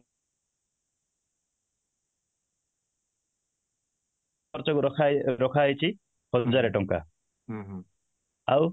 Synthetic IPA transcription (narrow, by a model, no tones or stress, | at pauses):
ɔɾt͡ʃɔkuɾʰaɾɔkʰajt͡ʃʰi | hɔd͡ʒaɾeʈɔŋka̰ | aw